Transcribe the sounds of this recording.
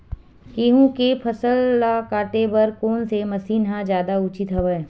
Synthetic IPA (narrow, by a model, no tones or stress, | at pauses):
keːɦũkepʰɐsəlːakaːʈebɐɾkoːnsemɐsiːnɦãd͡ʒjaːd̪aʊt͡ʃɪt̪ɦɐʋəe